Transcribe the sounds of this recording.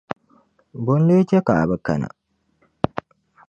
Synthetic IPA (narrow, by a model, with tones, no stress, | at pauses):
bʊ˦n˦le˦t͡ʃe˦ka˨bɐ˦kɐ̰˨na̰˨